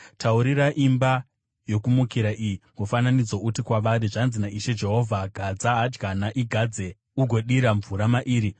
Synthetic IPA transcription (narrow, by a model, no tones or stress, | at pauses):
tʰauɾiɾaʔimba | jo̞kumukiɾaʔijiŋɡofananid͡zoutikwaʋaɾiʐanzinaiʃe̞d͡ʒe̞ɦo̞vʱaɡʱad͡zaːd͡ʒɡanaʔiɡʱad͡ze̞ | uɡʱo̞ɗiɾaɱvuɾamaʔiːɾi